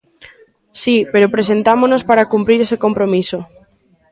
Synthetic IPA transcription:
sipeɾopɾesent̪amonospaɾakumpɾiɾesekompɾomiso

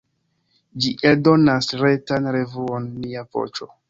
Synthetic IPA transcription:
d͡ʒiʔe̞ldo̞nasɾetanɾe̞vuonːiavo̞̰t͡ʃo̞

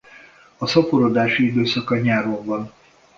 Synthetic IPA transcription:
ɒsɒpoɾod̪aːʃiid̪øːsɒkɒɲaːɾoɱvɒn

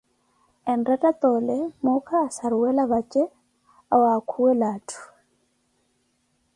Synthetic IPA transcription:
ɛndatʼat̪ʼɔlɛmukʰaːsaɾuwɛlaβat͡ʃʼɛ | awaːkʰuwɛlaːtʰu̥

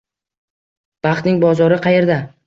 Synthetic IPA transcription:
b̥ɑχt̪nɪŋbɒzɒɾɪqʰɑje̞ɾd̪a

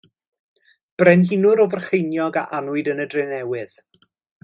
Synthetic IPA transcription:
b̥rɛnhinʊɾɔvərχejnjɔɡa̰ʔanʊɨdənədrɪnɛwɪð̥

